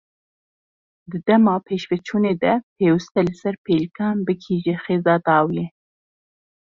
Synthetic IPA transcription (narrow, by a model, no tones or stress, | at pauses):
d̪ɨd̪ɛmɑːpʰeːʃvɛt͡ʃʰuːneːd̪ɛpʰeːwɨst̪ɛlɨsɛɾpʰeːlkʰɑːnbɨkʰiːʒɛxeːzɑːd̪ɑːwleː